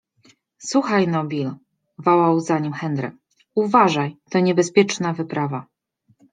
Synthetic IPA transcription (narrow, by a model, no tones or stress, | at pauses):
swuxajnɔbʲil | vɔwawzaɲimxɛnd̪ɾɛ̰k | uvaʐajt̪ɔɲɛbɛspʲjɛt͡ʂnavɘpɾava